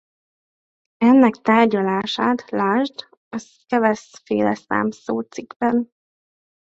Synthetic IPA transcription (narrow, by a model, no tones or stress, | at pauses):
ɛnːɛkt̪aːrɟɒlaːʃaːt̪laːʒd̪ | ɒs | kɛvɛsfḛːlɛsa̰ːmsoːt̪siɡbɛn